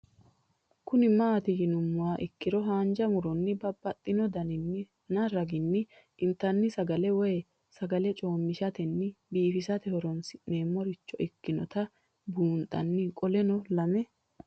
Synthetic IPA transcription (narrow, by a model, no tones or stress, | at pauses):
kʊnɪmaːt̪ɪɡɪnʊmːʊwaːʔɪkːɪɾɔɦaːnd͡ʒɐmʊɾɔnːɪbɐbːɐt̪ʼːɪnɔd̪ɐnɪnːɪ | nɐɾɐɡɪnːɪ | ʔɪnt̪ːɐnːɪsɐɡɐlɛwɔjɛ | sɐɡɐlɛt͡ʃʼo̞ːmːɪʃɐt̪ɛnːɪbiːfɪsɐt̪ɛhɔɾɔnsɪneːmːɔɾɪt͡ʃːɔʔɪkːɪnɔ̰t̪ɐ | buːnt̪ʼːɐ̰nːɪkʼɔlɛnɔlɐmɛ